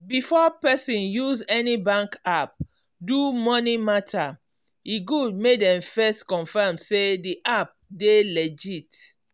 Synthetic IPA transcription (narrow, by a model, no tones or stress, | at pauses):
bifɔpɛsĩnjuzɛnibãŋkap̚ | dumɔnimatʰa | iɡud̚medɛ̃mfɛstkɔ̃nfɛmsediʔap̚delɛd͡ʒit